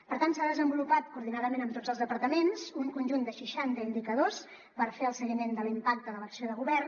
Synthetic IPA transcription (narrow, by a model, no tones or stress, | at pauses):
pəɾt̪ansaðəzəmbulupat̪̚kuɾðinaðəmenəmt̪od͡zəlˠzðəpəɾt̪əmenzuŋkunʲʒund̪əʃiʃant̪əind̪ikəðos | pəɾfeəlˠsəɣimend̪əlimpak̚t̪əðələksioðəɣuβɛr